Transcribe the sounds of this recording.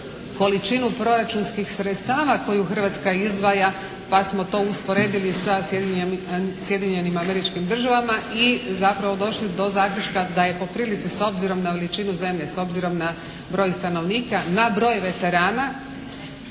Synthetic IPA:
ko̞lit͡ʃinupɾo̞ɾat͡ʃunskixsɾet̪st̪aːʋako̞juxər̩ʋat̪skaizd̪ʋaja | pasmo̞t̪o̞ːuspo̞ɾe̞ːd̪ilisaje | sje̞d̪iɲe̞nimame̞ɾit͡ʃkimd̪r̩ʒaʋamaizapɾaʋo̞d̪o̞ʃlid̪o̞zaːkɾut͡ʃkad̪aje̞po̞pɾiːlit̪siso̞bziɾo̞mnaʋe̞lit͡ʃinuze̞mʎe̞so̞bziɾo̞mna | bɾo̞ːjst̪ano̞ʋniːkanabɾo̞ːjʋe̞t̪e̞ɾaːna

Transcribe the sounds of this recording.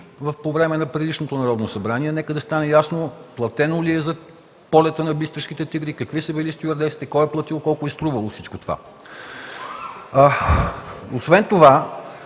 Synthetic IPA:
vəfpovɾɛmɛnɐpɾɛd̪iʃnot̪onɐɾɔd̪nosɐbɾaniɛnɛkəd̪ɐst̪anɛjasnoplˠɐt̪ɛnoliɛzɐ | pɔlʲɛt̪ənɐbist̪ɾəʃk̟it̪ɛt̪iɡɾikɐkvisəbilist̪iuɐɾd̪ɛsit̪ɛkɔɛplˠɐt̪ilˠkɔlˠkʊɛst̪ɾuvəlˠofsit͡ʃkot̪ova̰ | osvɛnt̪ova

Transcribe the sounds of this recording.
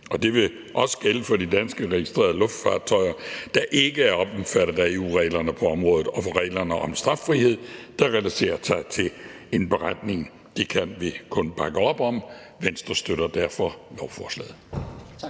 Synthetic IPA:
ɒ̽d̥e̝ʋe̝ | ʔɒ̽sə̥ɡ̥eləfɒ̽d̥id̥ænsɡ̥əʁɛɡisd̥ʁḛːɐðˠəlɔ̽fd̥fɑ̰̥̈ːt͡sʰɒ̽ɪɐd̥ɑ̈ʔe̝ɡ̥əæɐɒ̽b̥mfæɾ̥ɐæeṵːʁɛ̰ːlɐnəpʰɒ̽ɒ̽mʁɔ̽ːðˠð̩ˠɒ̽fɒ̽ʁɛ̰ːɪlɐnəʔɒ̽msd̥ʁɑ̈fːʁihe̝ð̰ˠd̥ɑ̈ʁɛlæse̝̰ːɐsɑ̈ɪt͡sʰe̝l | e̝nb̥e̝ʁad̥ne̝ŋ | d̥e̝kʰænʋikʰɔ̽nb̥ɑ̈ɡ̥əɒ̽b̥ɒ̽m | ʋen̰sd̥ʁɐsd̥øɾɐd̥æɐfɒ̽ʋɒʊfɒːslɛ̰ːð̩ˠ

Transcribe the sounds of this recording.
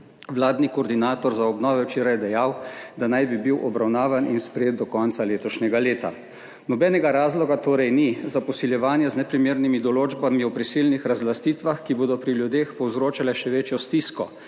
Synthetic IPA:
ʋlaːd̪nikɔːɾd̪inaːt̪ɔɾzaɔbnɔːʋɛwt͡ʃeːɾajɛd̪ɛjawd̪anajbibiwʔɔbɾawnaːʋanʔinspɾɛjeːt̪̚d̪ɔkɔnt̪saleːt̪ɔʃnʲɛɡaleːt̪a̰ | nɔbɛnɛɡaɾaːzlɔɡat̪oːɾɛjnizapɔsiljɛʋaːnjɛznɛpɾimeːɾnimid̪ɔloːd͡ʒbamiɔpɾisilnixɾazlast̪iːt̪ʋaxkiboːd̪ɔpɾiljud̪eːxpɔwzɾoːt͡ʃalɛʃɛʋeːt͡ʃjɔst̪iskɔ

